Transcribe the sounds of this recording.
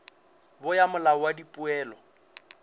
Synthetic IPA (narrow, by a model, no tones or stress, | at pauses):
bʊjamʊlawadipʼʊɛːlɔ